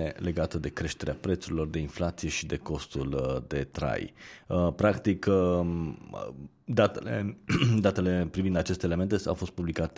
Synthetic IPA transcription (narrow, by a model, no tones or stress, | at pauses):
ele̞ɡat̪əd̪e̞kɾe̞ʃt̪e̞ɾeapɾe̞t̪suɾilo̞rd̪e̞inflat̪sije̞ʃid̪e̞ko̞st̪uld̪e̞t̪ɾa̰jəpɾakt̪ik | d̪at̪elḛd̪at̪e̞le̞pɾivind̪at͡ʃe̞st̪eːlement̪ea̰wfo̞st̪̚publikat̪